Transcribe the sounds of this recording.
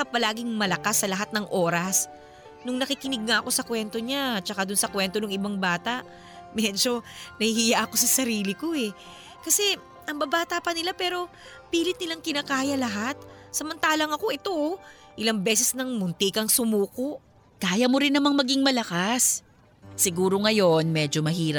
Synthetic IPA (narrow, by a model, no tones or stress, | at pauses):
kapɐlaːɡɪŋmɐlɐkasːɐlɐɦat̪̚nɐŋʔo̞ːɾɐs | nʊŋnɐkɪkɪnɪɡ̚ŋɐʔɐko̞sɐkwɛnt̪o̞ɲat͡ʃɐkad̪ʊnsɐkwɛnt̪o̞nʊŋɪbaŋbaːt̪ɐʔ | mɛd͡ʒo̞nɐhihijaʔɐko̞sɐsɐɾiːlɪko̞ɛ | kɐsɛ | ʔɐŋbɐbaːt̪apɐnɪlapɛːɾo̞ | piːlɪt̪nɪlaŋkɪnakaːjɐlɐɦat̪̚sɐmɐnt̪aːlɐŋɐko̞ʔɛt̪o | ʔɪlɐŋbɛsɛsnɐŋmʊnt̪ɪkɐŋsʊmuːko̞ʔ | kaːjɐmoɾɪnːɐmaŋmɐɡiŋmɐlɐkasː | ɪɡuːɾo̞ŋɐjo̞nmɛːd͡ʒo̞mɐhiːɾɐ